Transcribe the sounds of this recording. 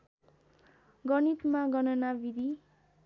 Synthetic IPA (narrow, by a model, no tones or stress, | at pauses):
ɡʌnit̪maɡʌnʌnabid̪ʱi